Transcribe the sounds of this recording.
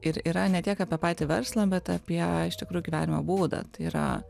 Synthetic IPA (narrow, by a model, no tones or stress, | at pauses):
ɪɾiːɾɐnʲɛt̪ʲiɛkɑːpʲiɛpɑɪt̪ʲɪʋʲɛɾslˠɑːbʲɛt̪ɑpʲiɛɪʃt̪ʲɪkɾuːjʊɡʲiʋʲæːnʲɪmobuːd̪ɐ̰t̪ɐɪiɾɐ̰